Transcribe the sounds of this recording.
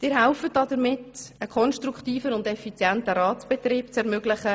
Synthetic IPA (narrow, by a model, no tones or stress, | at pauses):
d̥ɪːɾɦaʊfət̚dɑdəɾmɪtəkʰɔnʃtruktiːfənʊndɛfit͡sjɛntəɾɑːtt͡sb̥ɛtriːpt͡sɛɾmøɡlɪχə